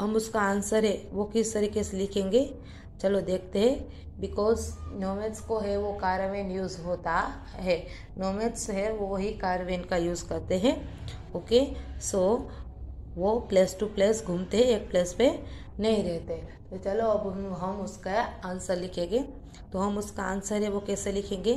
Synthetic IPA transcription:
ɦɐmʊskaaːnsəɾɦɛʋokɪst̪ɐɾiːkeselɪkʰẽːŋɡe | t͡ʃɐlod̪eːk̚ʰt̪eɦɛ̃ | bɪkɔːznoːmeʈskoɦɛʋokaːɾəʋeːnjuːzɦoːt̪a | ɦɛː | noːmeʈsɦɛʋoɦikaːɾʋeːnkajuːzkɐɾt̪eɦɛ̃oːkeso | ʋopleːsʈupleːsɡʱũmt̪eɦɛ̃eːk̚pleːspe | nɐɦĩɾɛɦt̪eɦɛ̃t̪ot͡ʃɐloɐbɦɐmʊskaaːnsəɾlɪkʰẽːŋɡeː | t̪oɦɐmʊskaãːnsəɾɦɛʋokɛːselɪkʰẽːŋɡe

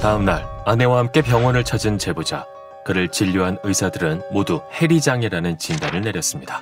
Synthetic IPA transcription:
taɯmnaɭane̞wahamk͈e̞pjʌŋwʌnɯɭt͡ɕʰʌd͡ʑint͡ɕe̞bod͡ʑa | kɯɾɯɭt͡ɕiʎːuɦanɯisʰadɯɾɯnmoduhe̞ɾid͡ʑaŋeɾanɯnt͡ɕindanɯɭne̞ɾjʌs͈ɯmɲida

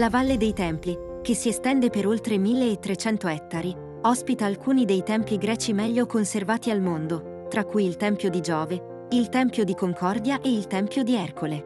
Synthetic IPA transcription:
lavalːed̪ejt̪ɛmpli | k̟esːiest̪ɛnd̪epeɾolt̪ɾemilːeːt̪ːɾet͡ʃɛnt̪oɛt̪ːaɾi | ɔspit̪aːlkuːnid̪ejt̪ɛmpiɡɾɛːt͡ʃimɛʎːokonservaːt̪ialmond̪o | t̪ɾakːujilt̪ɛmpjod̪id͡ʒɔːve | ilt̪ɛmpjod̪ikoŋkʰɔrd̪jaʔeilt̪ɛmpjod̪iɛrkʰole

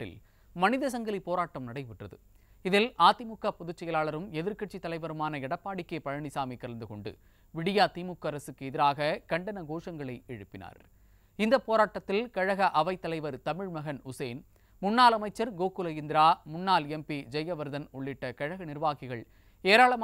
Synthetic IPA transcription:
ɪ̰l | mɐnɪðɐs̬ɐŋɡɐlipːoːɾaːʈːɐmnɐɽɐɪʋɪʈrɐðɯ | ɪðɪlʔaːt̪ɪmʊkːapːɔðʊt͡ʃːɐjɐlaːɭɐɾɯmɛðɪɾkɐʈ̚t͡ʃːit̪ːɐlɐɪʋɐɾɯmaːnɐɪɽɐpːaːɽɪkːepɐɻɐɳɪsaːmikːɐɾɐnd̪ɯkɔɳɖɯ̰ | ʋɪɽɪjaːt̪iːmʊkːɐɾɐsɯkːɯɛðɪɾaːɣɐkɐɳɖɐnɐɡoːʂɐŋɡɐɭɐɪɛɻɯpːɪna̰ːɾ | ɪnd̪ɐpːoːɾaːʈːɐt̪ːɪlkɐɻɐɣɐʔɐʋɐɪt̪ːɐlɐɪʋɐɾt̪ɐmɪɻmɐɣɐnʊseːn | mʊnːaːlɐmɐɪt͡ʃːɐɾɡoːkːɯlɐjɪnd̪ɪɾaːmʊnːaːlɛmpid͡ʒɛjɐʋɐɾðɐnɔɭːɪʈːɐkɐɻɐɣɐnɪɾɯʋaːɣɪɣɐɭ | eːɾaːɭɐmː

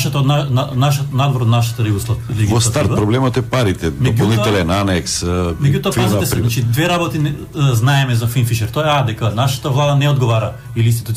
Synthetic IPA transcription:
ʃat̪anaanaʃɔt̪nad̪voɾod̪naʃat̪ɐɾibuslˠaliɡiost̪at̪̚pɾoblɛmɔt̪ɛpaɾit̪ɛdmɛopɟoltˠnit̪ɛlɛnanɛksmɛɟut̪oaʒɛsɛnaat͡ʃid̪vɛɾabot̪in | znaɛmɛzafinfiʃɛɾt̪oaɛad̪ɛkanaʃḁt̪avlˠad̪anɛod̪ɡovaɾɐ | ilinst̪i̥t̪ut̪

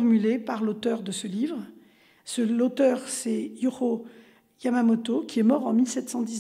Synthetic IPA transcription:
ʁmylepaʁlot̪œʁd̪əsəlivʁ | səlot̪œʁsɛjyʁo | jamamɔt̪okʲʰiɛmɔʁɑ̃milsɛt̪sɑ̃d̪iz

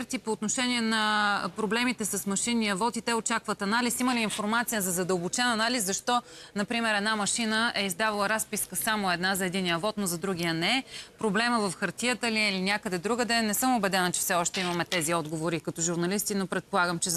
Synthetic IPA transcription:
ɾt̪ipoːt̪noʃɛnʲiɛnɐpɾoblɛmit̪ɛsəsmɐʃinːiəvɔt̪it̪ɛot͡ʃakvət̪ɐnalisiməliːnfoɾmat̪sijəzɐzɐd̪əlˠbot͡ʃɛnɐnaliszɐʃt̪ɔnɐpɾimɛɾɛd̪namɐʃinəɛizd̪avɐlˠəɾaspiskəsamoɛd̪nazɐɛd̪iniəvɔt̪nozɐd̪ɾuɡʲijənɛpɾoblɛməvəfxɐɾt̪ijət̪əliilinʲjakəd̪ɛd̪ɾuɡəd̪ɛnɛsɤmobɛd̪ɛnət͡ʃɛ̥fsɛɔʃt̪ɛimɐmɛt̪ɛziɔd̪ɡovoɾikɐt̪ɔʒuɾnɐlist̪inopɾɛt̪̚polˠaɡəmt͡ʃɛ

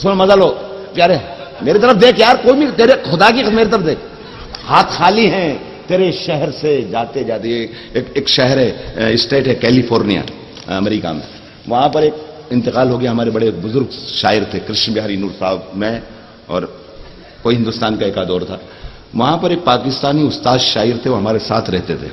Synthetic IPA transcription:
sonmɐzaːloːpjaːɾe | meːɾit̪̬ɐɾəfd̪eːkʰjaːɾkoːibit̪eːɾexʊd̪akixmeːɾit̪ɐɾəfd̪eːkʰ | haːt̪xaːliɦɛ̃ | t̪eːɾeʃɛɦɛɾsed͡ʒaːt̪ed͡ʒaːt̪eː | keːkʃɛɦɛɾɦɛɪsʈeːʈɦɛkɛːlifʰoːɾnija̰ | ɐ̰mɾiːka̰mḛ̃ | ʋɐɦãpɐɾeːk̚ | ɪ̃nt̪ɪqaːlɦoːɡɐjaɦɐmaːɾebɐɽebʊzʊɾɡʃa̰ːɪɾt̪ʰekɾɪʃnbɪɦaːɾinuːɾsaːbmẽ | ɔ̰ːɾ | koːiɦɪ̃nd̪ʊst̪aːnkaeːkad̪ɔːɾt̪ʰaː | ʋɐɦãpɐɾeːk̚paːkɪst̪aːniʊst̪aːd̪ʃaːɪɾt̪ʰeʋoɦɐmaːɾesaːt̪ʰɾɛɦt̪et̪ʰḛː

